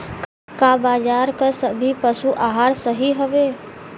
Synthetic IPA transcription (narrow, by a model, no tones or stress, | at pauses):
k | kabaːd͡ʒaːɾkəsəbʱipəsuʔaːɦaːɾsəɦiɦəʋeː